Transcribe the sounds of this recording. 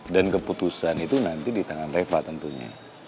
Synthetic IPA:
dankəput̪usanit̪unant̪idit̪aŋanrefat̪ənt̪uɲa̰

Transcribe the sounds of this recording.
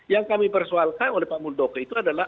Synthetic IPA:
jaŋkamipərsoalkanolɛhpamuldokəit̪uadala

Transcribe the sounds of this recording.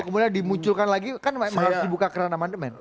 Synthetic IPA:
kəmudiandimuɲt͡ʃʊlkanlaɡikanməaɾusdibukakəɾanamandəmɛn

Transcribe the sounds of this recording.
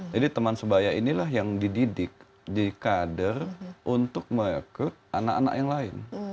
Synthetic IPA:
d͡ʒadit̪əmansəbajainilahjaŋdididɪk̚ | dikadərʔunt̪ʊk̚məŋikʊt̪̚ʔanaka̰na̰kjaŋlaɪn

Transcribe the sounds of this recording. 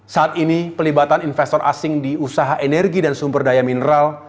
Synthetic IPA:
saːt̪inipəlibat̪aninfɛst̪ɔrʔa̰sɪŋdiusaɦaʔenɛrɡidansumbərdajaminəɾal

